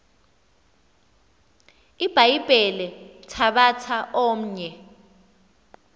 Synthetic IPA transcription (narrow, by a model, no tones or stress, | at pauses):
ib̥ʱaib̥ʱɛlɛtʰaɓatʰaʔom̩ɲɛ